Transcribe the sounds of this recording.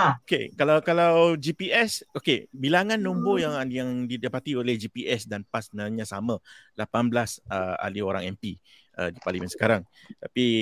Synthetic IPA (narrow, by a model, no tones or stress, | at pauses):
aokḛkalawkalawd͡ʒipiɛsokebilaŋãnːumbojaŋjaŋdidapat̪iolehd͡ʒipiɛsdanpasbənalɲãsamãlapanblasəa̰lioɾaŋɛmpi | ʔə̰dipalimənsə̥kaɾaŋ | t̪api